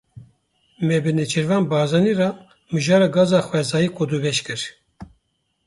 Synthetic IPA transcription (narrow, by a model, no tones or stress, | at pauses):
mɛbɨnɛt͡ʃʰɨɾvɑːnbɑːzɑnirɑ | mɨʒɑːɾɑːɡɑːzɑːxwɛzɑːjikʰod̪ubɛʃkɨɾ